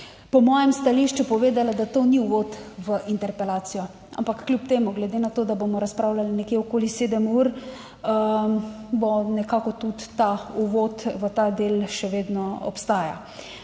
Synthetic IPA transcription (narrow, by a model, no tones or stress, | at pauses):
pɔmɔːjɛmst̪aliʃt͡ʃupɔʋeːd̪alad̪at̪oːniuʋot̪ʋəʔint̪ɛɾpɛlaːsijɔ | a̰mpakːlʲjupt̪eːmuɡlɛd̪enat̪oːd̪abomɔɾaspɾaːwlalinɛkjeɔkoːliseːd̪əmuːɾ | bɔnɛkakɔt̪ut̪ːauʋot̪ʋət̪ad̪eːlʃɛʋeːd̪nɔɔ̰pst̪aːja̰